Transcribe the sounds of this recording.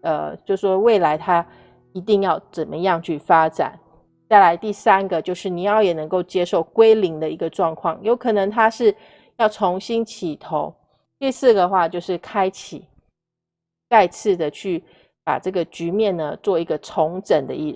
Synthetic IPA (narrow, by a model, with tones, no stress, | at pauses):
ə̰˩t͡ɕjo˥˧ʊʂʂwɔ˥we˥˩ɪla˧˥ɪt̪ʰa˥ | i˧˥t̪i˥˧ŋjɑ˥˩ʊt͡sə˨˩mə˦jɑ˥˧ŋt͡ɕʰy˥˩fa˥ʈ͡ʂa̰˨˩˦n | t͡sa˥˩ɪla˧˦ɪt̪i˥˩sa˦˥nɡə˨t͡ɕjo˥˧ʊʂɻ̩˥˩ni˨˩jɑ˥˩ʊjɛ˨˩nə˧˥ŋko˥˩ʊt͡ɕjɛ˥ʂo˥˩ʊkwe˥ɪli˧˥ŋd̪ə˨i˧˥ɡə˧ʈ͡ʂwɑ˥˧ŋkʰwɑ˥˩ŋjo˧˥ʊkʰɤ˨˩nɤ˧˥ŋt̪ʰa˥ʂɻ̩˥˩ | jɑ˥˩ʊt͡sʰo˧˥ŋɕi˥nt͡ɕʰi˨˩t̪ʰo˧˦ʊ | t̪i˥˧sɹ̩˥˩ɡə˩xwa˥˧t͡ɕjo˥˧ʊʂɻ̩˥˩kʰa˥ɪt͡ɕʰḭ˨˩˦ | t͡sa˥˧ɪt͡sʰɹ̩˥˩d̪ə˩t͡ɕʰy˥˩ | pa̰˨˩ʈ͡ʂɤ˥˩ɡə˩t͡ɕy˧˥mjɛ˥˨nːə˩t͡swɔ˥˩i˧˥ɡə˧t͡sʰo˧˥ŋʈ͡ʂə˨˩nd̪ə̰˦i˥˩